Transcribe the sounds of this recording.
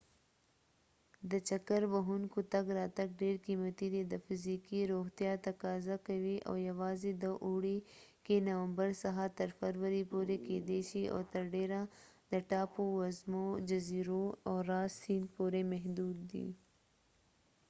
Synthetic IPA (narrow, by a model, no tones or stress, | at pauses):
d̪ət͡ʃɐkəɾbɐɦunkut̪ɐɡɾaːt̪ɐɡ̚ɖeːɽkiːmɐt̪id̪ed̪əfɪziːkiɾoːɦt̪jat̪ɐkaːzakɐwiʔo̰ːjɐwaːzed̪əʔuɽekenɐwəmbəɾsɐɦat̪ɐɾfɐɾwəɾipoɾekeːd̪eʃiʔɔ̰ːt̪ɐɾɖeːɾa | d̪əʈaːpowɐzmod͡ʒɐziːɾoɔːɾaːsinpoɾemɛɦd̪uːd̪ːḭː